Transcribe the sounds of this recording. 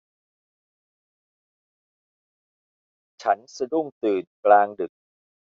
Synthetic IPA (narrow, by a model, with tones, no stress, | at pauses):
t͡ɕʰa˦˥nsa˧du˥˩ŋt̪ɯː˨˩nklaː˧ŋdɯ˨˩k̚